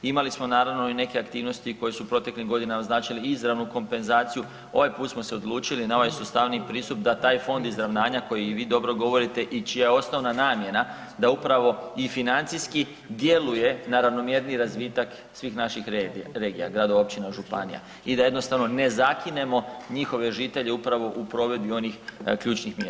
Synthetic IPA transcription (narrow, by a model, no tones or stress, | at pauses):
imalismo̞naːɾaʋno̞ine̞ke̞akt̪iːʋno̞st̪iko̞jesupɾo̞t̪e̞kliɡo̞d̪inamaznaːt͡ʃaliizɾaʋnuko̞mpe̞nzaːt̪siju | o̞̰ʋajpuːt̪smose̞o̞d̪lˠuːt͡ʃilinao̞ʋajsust̪aʋnipɾiːst̪up̚d̪at̪aːjfo̞nd̪izɾaʋnaːɲako̞jiʋiːd̪o̞bɾo̞ɡo̞ʋo̞ɾit̪e̞ʔit͡ʃijajeo̞sno̞ʋnanaːmje̞na | d̪aupɾaʋo̞ifinant̪siski | d̪je̞luje̞naɾaʋno̞mje̞ɾniɾazʋiːt̪ak | sʋiːxnaʃixɾeɡija̰ɡɾad̪oʋaopt͡ʃinaʒupa̰nḭja̰ | id̪aje̞d̪no̞st̪aʋno̞ne̞zakine̞mo̞ɲixo̞ʋe̞ʒit̪e̞ʎe̞upɾaʋo̞ʔupɾo̞ʋe̞d̪bio̞nixkʎuːt͡ʃnixmjeɾ